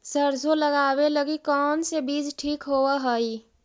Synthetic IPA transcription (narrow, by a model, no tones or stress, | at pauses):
səɾd͡ʒʱoləɡabeləɡikɔːnsebid͡ʒʈʰiːkɦowəɦəi